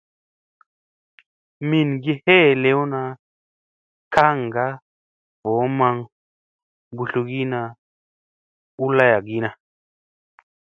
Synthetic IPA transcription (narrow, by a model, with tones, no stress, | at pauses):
mi˨nɡe˦˧he˦˨le˦wna˧ | ka˦˨ŋ˨ɡa˦ | vo˨˦ma˧ŋ | bu˧ɬu˧ɡi˦na˧ | u˦la˦ja˨ɡi˦na˧